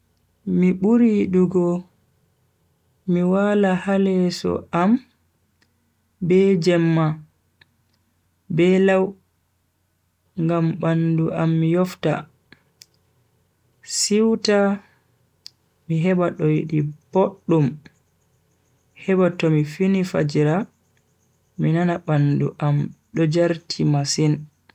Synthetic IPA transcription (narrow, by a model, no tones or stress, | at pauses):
miɓuɾiɗuɡɔ | miwalahalɛsɔ̰am | bɛd͡ʒɛmːa | bɛlaw | ŋɡambanduʔamːijɔfta̰ | siwta | miɦɛbaɗɔjiɗiboɗːum | hɛbatɔmifinifad͡ʒiɾa | minanaɓanduʔamɗɔd͡ʒaɾtʰimasin